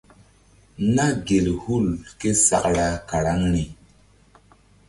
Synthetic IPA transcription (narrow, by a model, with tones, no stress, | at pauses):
na˦ɡe˨lhu˦˨lke˦sa˨kɾa˦ka˨ɾa˦ŋni˨